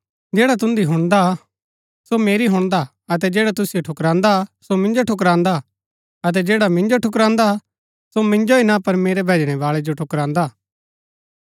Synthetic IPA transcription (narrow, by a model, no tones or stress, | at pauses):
d͡ʒeːɽat̪̬ʊ̃nd̪iɦʊɽ̃d̪a | someːɾiɦʊ̃ɽ̃d̪a | ɐt̪ɛd͡ʒeːɽat̪ʊsijoʈʰʊkɾãːnd̪asomɪ̃nd͡ʒoʈʰʊk̬ɾãːnd̪a | ɐt̪̬ɛd͡ʒeːɽamɪ̃nd͡ʒoʈʰʊkɾãːnd̪a | somɪ̃nd͡ʒoinapɐɾmeːɾebʱeːd͡ʒɽ̃ɛʋaːɭed͡ʒoʈʰʊkɾãːnd̪aː